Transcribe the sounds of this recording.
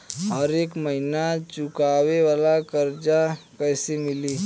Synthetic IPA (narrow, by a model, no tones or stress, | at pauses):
ɦəɾeːkməɦinat͡ʃʊkaweʋalakəɾd͡ʒakəjsemɪliː